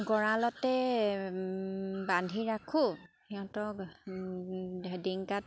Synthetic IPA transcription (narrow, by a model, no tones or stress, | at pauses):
ɡɔɹalɔtɛ | bandʱiɹakʰu | xɛɔ̃tɔ | diŋkat̚